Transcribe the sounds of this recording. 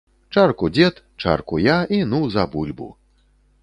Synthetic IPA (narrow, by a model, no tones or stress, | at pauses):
t͡ʂarkud͡zʲɛt̪ | t͡ʂa̰rkujainuzɐbulʲbṵ